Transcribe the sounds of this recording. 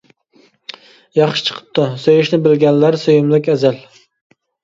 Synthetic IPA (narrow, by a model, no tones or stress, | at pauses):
jɑχʃɪ̥t͡ʃʰə̥qʰə̥p̚t̪ːʊsøjɪʃnɪbɪlɡʲɛnlæɾsøjɪmlɪkʲæzæl